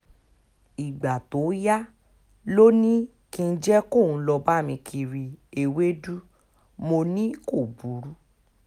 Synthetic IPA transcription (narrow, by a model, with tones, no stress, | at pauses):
i˨ɡ͡ba˨to˨˦ja˦ | lo˦nĩ˦ | kĩ˧n̩˦d͡ʒɛ˦ko˦˨ũ˨˧˦lɔ˧ba˦˨mĩ˧kʰi˧ɾi˧e˨we˦du˦ | mo˧nĩ˦ko˦˨bu˨˦ɾu˦